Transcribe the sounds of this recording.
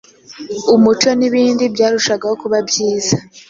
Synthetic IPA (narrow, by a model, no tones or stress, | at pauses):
umut͡ʃo̞niβiːndibjaːɾuʃaɡaho̞kuβabjiːza